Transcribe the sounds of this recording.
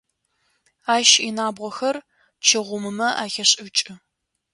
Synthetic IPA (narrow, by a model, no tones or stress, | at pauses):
aːʃinaːbʁʷɔxɐr | t͡ʃʰɪʁʷʊmɨmɐʔa̰ːxɐɕʼɪt͡ʃʼɪ